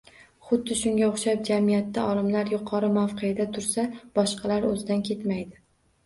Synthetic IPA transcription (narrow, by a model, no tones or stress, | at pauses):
χʊd̪ːɪʃʊŋɡʲaoχʃap̚d͡ʒamijat̪ːaɒlˠɪmlaɾjʊqʰɒɾɪmafqʰejad̪at̪ʰʊɾsab̥ɒʃqʰɑlaɾɵzɪd̪ankʲʰe̞t̪majd̪ɪ